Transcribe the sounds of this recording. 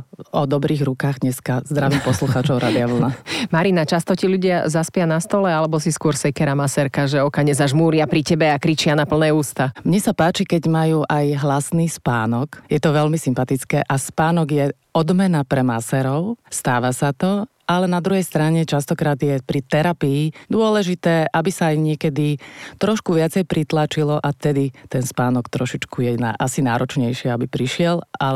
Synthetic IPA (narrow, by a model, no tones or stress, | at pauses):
ɔd̪ɔbɾiːɣɾukaːɣɲɛskazd̪ɾaʋiːmpɔsluxaːt͡ʃɔʊɾʔaːd̪iaʋl̩namaɾinat͡ʃast̪ɔciʎuɟɪazaspɪanast̪ɔlɛalɛbɔsiskʊɔɾsɛkɛɾamasɛɾkaʒɛɔkaɲɛzaʒmuːɾɪapɾicɛbɛakɾit͡ʃɪanapl̩nɛːuːst̪amɲɛsapaːt͡ʃikɛɟmajuːʔajɦlasniːspaːnɔkjɛt̪ɔʋɛʎmisimpat̪it͡skɛːʔaspaːnɔɡjɛ | ɔd̪mɛnapɾɛmasɛɾɔʊst̪aːʋasat̪ɔ | ʔalɛnad̪ɾuɦɛjst̪ɾaɲɛt͡ʃast̪ɔkɾaːd̪jɛpɾit̪ɛɾapiːd̪ʊɔlɛʒit̪ɛːʔabisajɲɪɛkɛd̪it̪ɾɔʃkuʋɪat͡sɛjpɾit̪lat͡ʃilɔʔat̪ɛd̪it̪ɛnspaːnɔkt̪ɾɔʃit͡ʃkujɛnaasina̰ːɾɔt͡ʃɲɛjʃɪɛabipɾiʃɪɛla